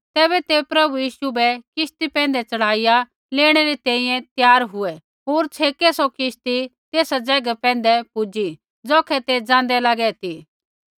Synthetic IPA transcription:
t̪ɛːβɛt̪epɾɐbujiːʃubɛkɪst̪ipɛ̃ːnd̪ɛt͡ʃɐɽ̤aːija | leːɽ̃ɛɾit̪ɛ̃ːĩːjɛ̃t̪jaːɾɦʊɛ | ɦoːɾt͡ʃʰeːkɛsɔkɪʃt̪it̪eːsad͡zɛːɡapɛ̃ːn̆d̪ɛpʊd͡ʒi | d͡zɔːkʰɛt̪ed͡ʒãːnd̪ɛlaːɡɛt̪iː

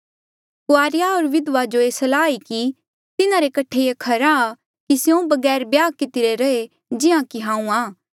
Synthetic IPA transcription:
kʊaːɾjaoːɾʋɪd̪ʋad͡ʒoeːsɐlaːiki | t̪ɪnaɾekɐʈʰeekʰɐɾaː | kisjõbɐɡɛːɾbjaːkɪt̪ɪɾeɾɐe | d͡ʒɪãkiɦãːũaː

